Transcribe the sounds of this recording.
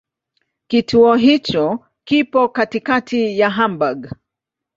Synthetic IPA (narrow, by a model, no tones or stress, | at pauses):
kitʰuɔɦit͡ʃɔ | kipɔkatikatʰijaɦambaɡ